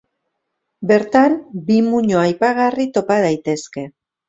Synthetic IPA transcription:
be̞ɾt̪ambimuɲoajpaɣarit̪o̞pað̞ajt̪e̞ske̞

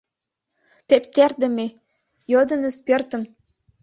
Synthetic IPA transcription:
t̪ept̪erd̪ə̆me | jod̪ɤ̆nə̆spørt̪ə̆m

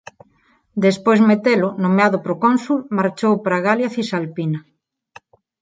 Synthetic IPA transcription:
d̪espojzmet̪elʊnomeaðʊpɾokonsulmaɾt͡ʃowpɾaɣaljaθisalpina

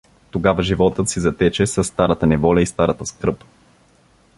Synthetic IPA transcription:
t̪oɡavɐʒivɔt̪ət̪sizɐt̪ɛt͡ʃɛsəsːt̪aɾət̪ənɛvɔlʲɐist̪aɾət̪əskɾɤp

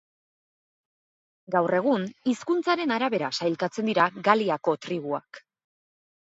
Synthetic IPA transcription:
ɡawre̞ɣ̞uniskunt͡saɾe̞naɾaβe̞ɾasajlkat͡se̞nd̪iɾaɡaliako̞t̪ɾiɣua̰k

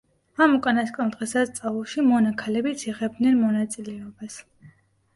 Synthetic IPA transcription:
amukʼanask̪ʼɛlˠd̪̥ʁɛsast̪sʼaulˠʃimɔnakʰalɛbit̪sʰiʁɛb̚d̪nɛnmɔnat̪sʼilɛɔbas

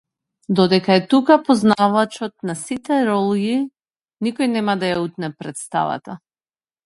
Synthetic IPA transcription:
d̪ɔd̪ɛkaɛt̪ukapɔznavat͡ʃɔt̪̚nasit̪ɛɾɔlˠɡi | nikɔjnɛmad̪ajaut̪̚nɛpɾɛt̪st̪a̰va̰t̪a

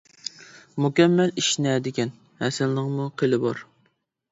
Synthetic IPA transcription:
mukʲɛmːɛliʃnɛd̪ɪkʲɛn | hɛsɪnlɨŋmuqʰelɪbɑɾ

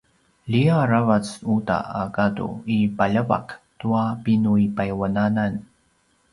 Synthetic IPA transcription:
liaɾavat͡suta̰akatṵipaʎəva̰ktuapinuipajwananan

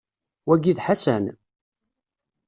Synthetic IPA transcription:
wæɡiðħasæ̰n

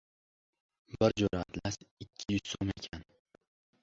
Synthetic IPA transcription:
bɪɾd͡ʒoɾat̪lasɪkʲʰːɪjʊzsomekʲʰan

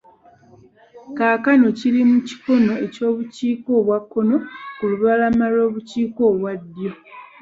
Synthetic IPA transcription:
kaːkano̞ciɾimuci̥ko̞no̞e̞co̞ːβuciːko̞ːβwakːo̞no̞kuluβalamalwo̞ːβuciːkoːβwadːjo̞

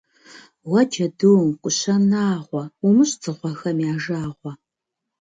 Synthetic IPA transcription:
wɐd͡ʒɐdɨwmkʷʼʊɕɐnaːʁʷɔumɨɕt͡sʰʼɨʁʷɔxɐmjaːʒaːʁʷɔ

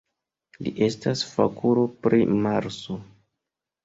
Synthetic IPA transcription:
lḭʔe̞stasfa̰kuɾo̞pɾimaɾso

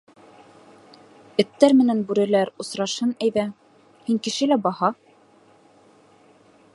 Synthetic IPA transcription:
ɘ̆t̪ːæɾmɘ̆nænbʉɾɘ̆læɾŏsɾɑʃhɤnæjðæ | hiŋkɘ̆ʃɘlæbɑhɑ

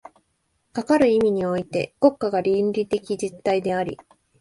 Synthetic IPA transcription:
kakaɾɯ̟imʲiɲ̟io̞it̪e̞̰ɡ̥o̞kːaɡaɾʲinɾʲit̪e̞kʲid͡ʑit̪ːaid̪e̞aɾʲḭ

